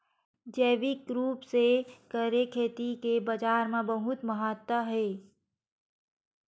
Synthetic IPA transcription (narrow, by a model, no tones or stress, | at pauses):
d͡ʒəːʋɪkɾuːpsekəɾekʰeːt̪ikebəd͡ʒaːɾmẽbəɦʊt̪məɦət̪wəɦeː